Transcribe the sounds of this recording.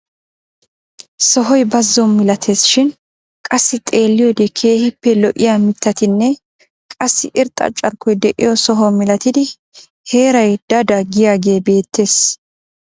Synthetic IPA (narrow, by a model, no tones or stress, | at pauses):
sɔɦɔjbɐzːɔnmɪlɐt̪ʰeːsʃɪn | kʼɐsːɪt̪ʼe̞ːlːɪjɔd̪ekʰe̞ːhɪpːɛlɔʔɪjaːmɪt̪ːɐt̪ɪnːɛ | kʼɐsːɪʔɪɾt̪ʼɐ̰t͡ʃʼɐɾkːɔjd̪ɛʔɪ̰jɔsɔɦɔmɪlɐt̪ɪd̪ɪ | he̞ːɾɐjd̪̥ɐd̪ɐɡɪjaːɡe̞ːbe̞ːt̪ːe̞ːs